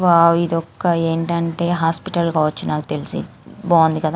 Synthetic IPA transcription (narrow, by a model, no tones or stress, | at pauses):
ʋaːid̪ɔkːɐeːɳʈɐɳʈe̞ːɦaːspiʈɐlkaːʋɐt͡ʃːunaːkut̪elisḭboːnd̪ikɐd̪aː